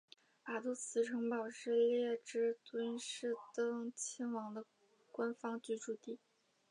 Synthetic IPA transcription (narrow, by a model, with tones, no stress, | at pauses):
pa˨˩t̪u˥˩t͡sʰɹ̩˧˥ʈ͡ʂʰɤ˧˥ŋpɑ˨˩ʊʂɻ̩˥˧ljɛ˥˧ʈ͡ʂɻ̩˥˩t̪wə˥nʂɻ̩˥˩t̪ɤ˥ŋt͡ɕʰɛ˥nwɑ˧˥ŋd̪ə˧ | kwa˥nfɑ˥ŋt͡ɕy˥˩ʈ͡ʂu˥˩t̪i˥˩